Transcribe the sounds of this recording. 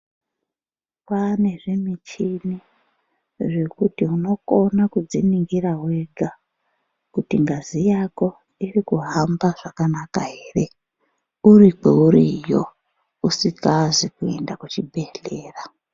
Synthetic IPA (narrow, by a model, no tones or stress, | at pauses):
pane̞ʐimit͡ʃini | ʐe̞kutiuno̞ko̞nakud͡ziniŋɡirawe̞ɡʱa | kutiŋɡazijako̞ | irikuɦambaʐ̥akanakaɦeːre̞ | urikḛuɾijo | usikazikue̞̰ndakut͡ʃibʱe̞ɮe̞ːra